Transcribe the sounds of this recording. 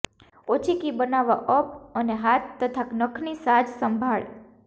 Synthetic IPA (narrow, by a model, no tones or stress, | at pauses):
ot͡ʃʰikibənaʋaʔəp̚əneɦat̪ːət̪ʰaknəkʰnisad͡ʒsəmbʱaɭ